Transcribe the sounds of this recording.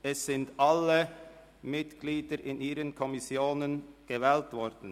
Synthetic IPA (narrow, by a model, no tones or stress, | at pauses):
ɛsːɪntʔalə | mɪtɡ̥liːdəɾʔɪnʔiːʁənkʰɔmɪsjoːnənɡ̥əvɛːltvɔɾd̥n̩